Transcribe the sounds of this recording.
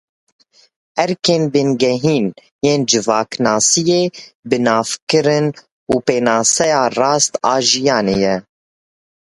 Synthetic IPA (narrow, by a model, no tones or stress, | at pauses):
ɛɾkeːnbɨnɡɛɦiːn | jeːnd͡ʒɨvɑːknɑːsijeːbɨnɑːfkɨɾɨn | uːpeːnɑːsɛjɑːrɑːst̪ɑːʒijɑːneːjɛ